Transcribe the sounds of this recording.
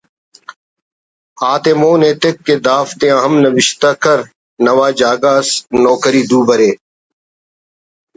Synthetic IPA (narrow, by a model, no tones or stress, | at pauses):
aːt̪eːmoːneːt̪ekːeːd̪aːft̪ẽːəɦəmnəʋɪʃt̪aːkəɾ | nəʋaːd͡ʒaːɡaːsnɔːkəɾiːd̪uːbəɾeː